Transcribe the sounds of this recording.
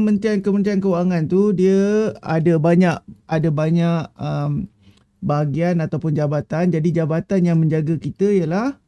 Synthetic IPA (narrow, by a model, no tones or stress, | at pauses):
mənt̪iankəmənt̪iankəuaŋãnt̪udiəadəbaɲaʔ̚adabaɲak̚əm | baɦaɡianat̪awpʊnd͡ʒabat̪and͡ʒadid͡ʒabat̪anjaŋmə̃ɲd͡ʒaɡəkit̪əijəlah